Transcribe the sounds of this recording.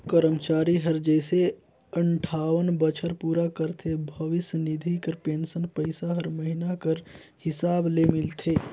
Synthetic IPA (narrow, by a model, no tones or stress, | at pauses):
kəɾəmt͡ʃaːɾiɦəɾd͡ʒəɪse | əɳʈʰaːʋənbət͡ʃʰəɾpuːɾakəɾt̪ʰebʱəʋɪsnid̪ʱikəɾpeːnsənpəɪsaɦəɾməɦinakəɾ | hɪsaːblemɪlt̪ʰeː